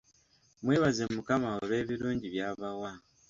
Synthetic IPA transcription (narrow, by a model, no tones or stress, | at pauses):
mweːβazemukamaoβe̞ːβiɾuːɲɟiβjaːβawa